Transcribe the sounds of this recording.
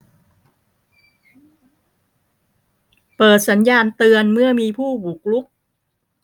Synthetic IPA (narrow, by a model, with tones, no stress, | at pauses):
pɤː˨˩t̪̚sa˩˦njaː˧nt̪ɯ˧ənmɯ˥˩əmiː˧pʰuː˥˩bu˨˩k̚lu˦˥k̚